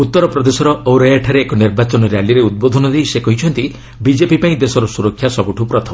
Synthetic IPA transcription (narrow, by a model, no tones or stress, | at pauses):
ut̪ːɔɾɔpɾɔd̪esɔɾɔoɾɔjaʈʰaɾeːkɔniɾbat͡ʃɔnɔɾjaliɾeud̪̚bod̪ʱɔnɔd̪eisekɔɦit͡ʃʰɔnt̪i | bid͡ʒepipaĩd̪esɔɾɔsuɾɔkʰːjasɔbuʈʰupɾɔt̪ʰɔm